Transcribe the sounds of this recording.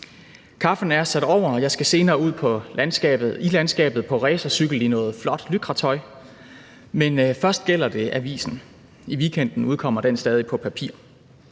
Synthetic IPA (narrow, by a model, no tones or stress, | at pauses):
kʰɑ̈fn̩æɐsæɾ̥ɒʊ̰ɐɒ̽jɑ̈ɪsɡ̥æse̝ːnɐːuð̞̰ˠpʰɒ̽ænsɡ̥ɛ̰b̥ð̩ˠilænsɡ̥ɛ̰ːb̥ð̩ˠpʰɒ̽ʁɛːsɐsyɡ̥l̩inɔ̽ːð̩ˠflɒ̽d̥lyɡ̥ʁɑ̈t͡sʰɒ̽ɪ | menfɶɐsd̥̚ɡ̥el̰ɐd̥e̝ʔæʋḭːsn̩ | iʋikʰen̰d̥n̩uð̞ˠkʰɒ̽m̰ɐd̥ensd̥ɛːð̞ˠipʰɒ̽pʰæpʰḭːɐ̰